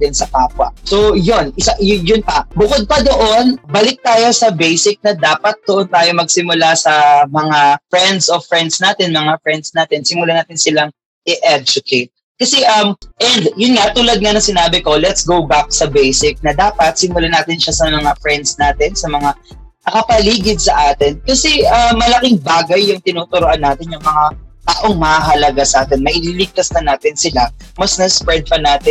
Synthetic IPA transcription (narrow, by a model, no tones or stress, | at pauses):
ɪnsɐpaːpwɐ̰sojonʔɪsajʊnpɐbʊkod̪̚pɐd̪oʔo̞nbɐlɪk̚t̪aːjo̞sɐbejsɪk̚nɐd̪aːpɐt̪̚d̪oʔont̪aːjomɐɡ̚sɪmʊlasɐmɐŋafɹɛnd̪sofɹɛnd̪snaːt̪ɪnmɐŋafɹɛnd̪snaːt̪ɪnsɪmʊlanaːt̪ɪnsɪlaŋ | ʔɪʔɛd͡ʒʊkʰejt̪̚ | kɐsɛʔɐmʔɛnd̪jʊnŋat̪ʊlɐd̪̚ŋɐnɐŋsɪnaːbɪko̞lɛt̪sɡowbak̚sɐbejsɪk̚nɐd̪aːpɐt̪̚sɪmʊlanaːt̪ɪnʃasɐmɐŋafɹɛnd̪snaːt̪ɪnsɐmɐŋa | nɐkɐpɐliːɡɪd̪̚sɐʔaːt̪ɪnkɐsɛʔɐmːɐlɐkɪŋbaːɡɐjːʊŋt̪ɪnoːt̪ʊɾoʔɐnːaːt̪ɪnjʊŋmɐŋaʔɐʔoŋmɐhaɦɐlɐɡasɐʔaːt̪ɛnmɐʔɪniːlɪɡ̚t̪ɐsnɐnaːt̪ɪnsɪlamɐsnɐspɹɛd̪̚pɐnaːt̪ɪ